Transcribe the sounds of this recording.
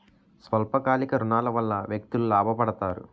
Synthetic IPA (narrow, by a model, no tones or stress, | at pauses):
sʋɐlpɐkaːlikɐɾunaːlɐʋɐlːɐʋjɐk̚t̪ululaːbʱɐpɐɽɐt̪aːɾṵ